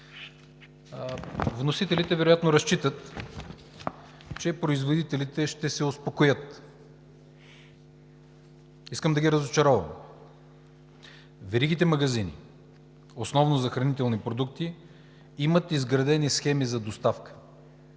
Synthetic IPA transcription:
vnosit̪ɛlit̪ɛvɛɾojat̪noɾɐst͡ʃit̪ət̪ | t͡ʃɛpɾoizvod̪it̪ɛlit̪ɛʃt̪ɛsɛospokojɤt̪ | iskəmd̪ɐɡʲiɾɐzot͡ʃɐɾɔvɐ̰m | vɛɾiɡ̟it̪ɛmɐɡɐzinḭ | osnɔvnozɐxɾɐnit̪ɛlˠnipɾod̪ukt̪i | imət̪izɡɾɐd̪ɛnisxɛmizɐd̪ost̪afkə̥

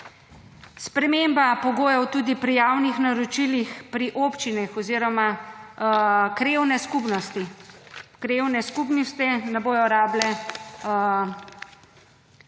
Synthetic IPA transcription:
spɾɛmembapɔɡoːjɔwt̪uːd̪ipɾijaːwnixnaɾɔt͡ʃilixpɾiʔopt͡ʃinɛxɔziːɾɔma | kɾeːwnɛskupnɔst̪i | kɾewnɛskup̬nist̪ɛnɛboːjɔɾaːblɛ

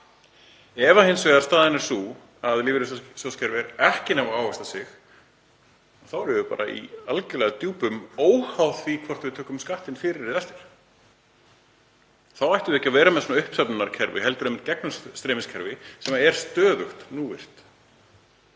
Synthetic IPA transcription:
ɛvahɪnsvɛːðaɾst̪aːðɪnɛɾ̥suː | aðliːvɪɾʏssɔscʰɛɾvɪɾɛhcɪnavaaːwɛst̪asɪx | aθawɾɛvʏpa̰ːɾa̰ḭalcɛlɛːɣat̪juːpʏmoːwhawðvikʰvɔr̥t̪vɪt̪ʰœːhkʏmskaht̪ɪnfɪːɾɪɾɪðɛst̪ɪ̥ɾ̥ | θawajht̪ʏɪɛcːavɛːɾamɛðsɔnaʏhpsɛpnʏnaɾ̥cʰɛɾvɪ̰hɛlt̪ʏɾɛmɪnt̪cɛk̚nʏsst̪ɾɛːmɪscʰɛɾvɪsɛːmaɛɾ̥st̪œːðʏxt̪nuːvɪ̰r̥t̪

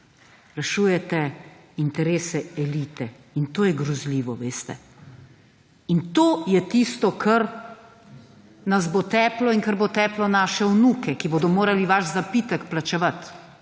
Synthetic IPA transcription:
ɾɛʃuːjɛt̪ɛint̪ɛɾeːsɛɛliːt̪ɛ | int̪oːjɛɡɾɔzliːʋɔʋeːst̪ɛ̰ | int̪oːjɛt̪ist̪ɔkʰɐɾ | nɐzbot̪ɛːplɔiŋkɐɾbot̪ɛːplɔnaːʃɛwnuːkɛkiboːd̪ɔmoːɾaliʋaʃzapiːt̪əkplat͡ʃɛʋat̪

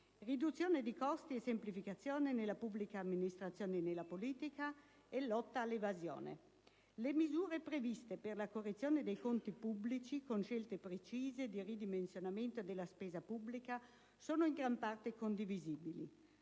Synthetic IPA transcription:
rid̪ut̪sːjoːned̪ikɔst̪iesemplifikat̪sːjoːnenelːapubːlikaːmːinist̪ɾat̪sjoːnenelːapoliːt̪ika | ɛlːɔt̪ːaːlːevazjo̰ːnḛ | lemizuːɾepɾevist̪eperlakorːet̪sːjoːned̪ejkont̪ipublit͡ʃikonʃelt̪epɾet͡ʃiːzed̪irid̪imensjonament̪od̪elːaspeːzapubːlika | soːnoiŋɡɾampart̪ekond̪iviziːbili

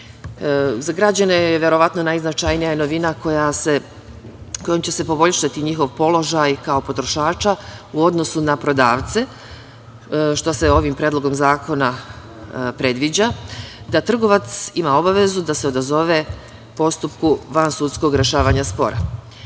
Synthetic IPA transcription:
zaɡɾad͡ʑane̞ʋjeɾo̞ʋat̪no̞najznat͡ʃajnijajeno̞ʋinako̞jase̞ | ko̞jomt͡ɕe̞se̞po̞bo̞ʎʃat̪iɲixo̞ʋpo̞lˠo̞ʒajkao̞po̞t̪ɾo̞ʃaːt͡ʃauo̞d̪no̞sunapɾo̞d̪aːʋt̪se̞ | ʃt̪o̞seo̞ʋimpɾed̪lˠo̞ɡo̞mzaːkʰo̞na | pɾe̞d̪ʋid͡ʑad̪at̪r̩ɡo̞ʋat̪simao̞baʋe̞zud̪ase̞o̞d̪azo̞ʋe | po̞st̪upkuʋansut̪sko̞ɡɾe̞ʃaːʋaɲaspo̞̰ɾa̰

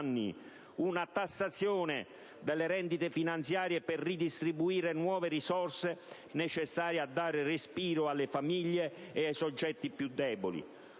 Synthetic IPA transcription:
nːḭ | unat̪asːat̪sːjoːnɪ | d̪ɛlːeɾɛnd̪it̪efinant̪sjaːɾjepɛrːid̪ist̪ɾibuiːɾenwɔːverisɔrse | nɛt͡ʃɛsːaːɾjad̪ːaːɾɪrɪspiːɾʊalːɪfamiʎːeːajsɔd͡ʒːɛt̪ːipjud̪ːɛːbolḭ

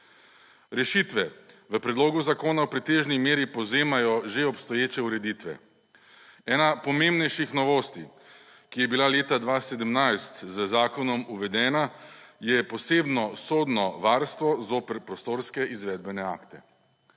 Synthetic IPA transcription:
ɾɛʃit̪ʋɛ | ʋəpɾɛd̪loːɡuzakoːnawpɾit̪eːʒnimeːɾipɔwzeːmajɔʒeɔpst̪ɔjeːt͡ʃɛuɾɛd̪iːt̪ʋɛ̰ | ɛːnapɔmembnɛjʃixnɔʋoːst̪i | kijɛbilaleːt̪ad̪ʋased̪əmnajst̪zəzaːkɔnɔmuʋɛd̪ɛːna | jɛpɔseːbnɔsoːd̪nɔʋaːɾst̪ʋɔzoːpɛɾpɾɔst̪oːɾskɛʔizʋɛːd̪̚bɛnɛa̰ːkt̪ɛ̰

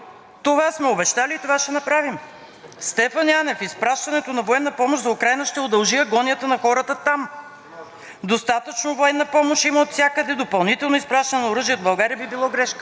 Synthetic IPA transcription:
t̪ovasmɛobɛʃt̪alit̪ovaʃɛnɐpɾavim | st̪ɛfənjanɛfispɾaʃt̪ɐnɛt̪onɐvoɛnːɐpɔmoʃzɐʊkɾajnəʃt̪ɛod̪ɐlˠʒiəɡɔnʲjət̪ənɐxɔɾət̪ət̪am | d̪ost̪at̪ət͡ʃnovoɛnːɐpɔmoʃimɐot̪sʲakəd̪ɛd̪opɐlˠnit̪ɛlˠnoispɾaʃt̪ɐnɛnɐoɾɤʒijəod̪bɐlˠɡaɾijəbibilˠɔɡɾɛʃkə

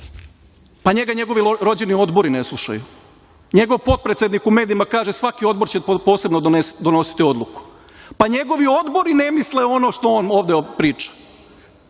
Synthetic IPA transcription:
paɲeɡaɲe̞ɡo̞ʋiɾo̞d͡ʑenio̞d̪bo̞ɾineslˠuʃa̰ju | ɲe̞ɡo̞ʋpo̞t̪̚pɾet̪sʲed̪nikume̞ːd̪iimakaːʒesʋakio̞d̪̚boɾt͡ɕepo̞ːse̞bnod̪ed̪ono̞si̥t̪io̞d̪lˠuku̥ | paɲe̞ɡo̞ʋio̞d̪bo̞ɾine̞misleo̞no̞ʃt̪o̞oːno̞ːʋd̪epɾiːt͡ʃḁ

